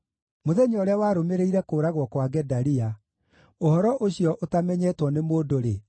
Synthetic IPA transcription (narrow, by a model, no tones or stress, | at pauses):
moðɛɲɔɾeawaɾomeɾeiɾɛkoːɾaɣwɔkwaɡɛdaɾia | ohɔɾɔʔoɕiɔʔotamɛɲɛtwɔnemoːdoɾe